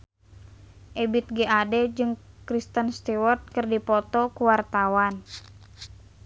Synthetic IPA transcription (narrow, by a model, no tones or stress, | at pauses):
ʔebit̪̚ɡeʔadɛd͡ʒɨŋkɾist̪ənst̪iwɔrt̪̚kɨrdipɔt̪ɔkuwart̪awan